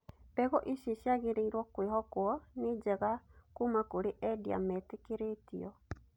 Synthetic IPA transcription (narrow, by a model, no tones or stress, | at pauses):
pɛɣɔʔiʃiʃjaɣeɾeiɾwɔkwiɦɔkwɔnid͡ʒɛɣakumakoɾeʔɛdia̰mɛtekeɾetḭɔ